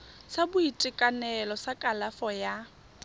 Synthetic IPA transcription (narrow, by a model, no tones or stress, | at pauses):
sabʊitʼɪkʼanɛlɔsakʼalafɔja